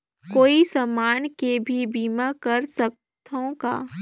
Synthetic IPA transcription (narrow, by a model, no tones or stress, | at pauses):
koːisɐmaːnkebʱibiːmakɐɾsɐk̚ | t̪ʰõka̰ː